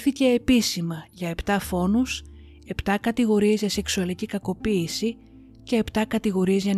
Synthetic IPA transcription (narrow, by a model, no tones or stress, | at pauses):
θice̞ːpisimɐʝɐe̞pt̪ɐfo̞nus | e̞pt̪ɐkɐt̪iɣo̞ɾie̞zʝɐse̞ksuɐlicikɐko̞piːsi | ce̞ːpt̪ɐkɐt̪iɣo̞ɾie̞zʝɐn